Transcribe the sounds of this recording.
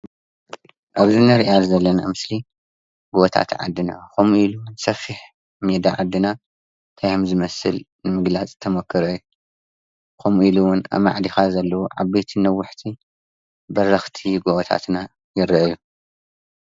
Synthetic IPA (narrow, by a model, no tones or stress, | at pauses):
ʔaβzinɐɾiʔazɐlːɐna̰mɨsli | ɡoβɐt̪ʰa̰t̪ʕa̰d̪ːɨna̰komuiluwʊnsɐfiħ | med̪aʕad̪ːɨna | t̪ʰajɐmzɨmɐsɨl | nɨmɨɡlat͡sʼt̪ʰɐmɐkʰːɨɾɐjːu | komuʔiluwʊna̰ma̰ʕd̪ixazɐlːɐwuʕaβːet̪ʰinɐwːʊħt̪ʰi | bɐrːɐxt̪ʰiɡoβɐt̪ʰa̰t̪na | jɪɾʔɐju